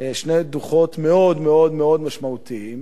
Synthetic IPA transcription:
eʃnejd̪uχo̞t̪meo̞d̪meo̞d̪meo̞d̪maʃmaut̪iim

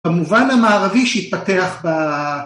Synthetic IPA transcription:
emuvanhamaːʁaviʃeit̪̚pateaχba

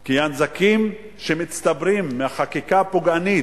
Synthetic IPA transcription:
kijanzakim | ʃemit͡st̪abɾimːeaχakikapoɡani

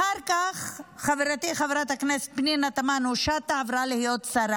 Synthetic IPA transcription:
aʁkaχχaveɾat̪iχaveɾat̪hakneset̪̚pninat̪amanuʃat̪aːvɾalihijot̪saɾa

